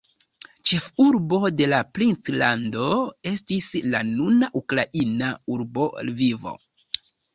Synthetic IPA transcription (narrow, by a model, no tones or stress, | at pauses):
t͡ʃe̞fuɾbo̞de̞lapɾint͡slando̞e̞stislanunaʔukɾaʔinauɾbo̞̰lvivo̞̰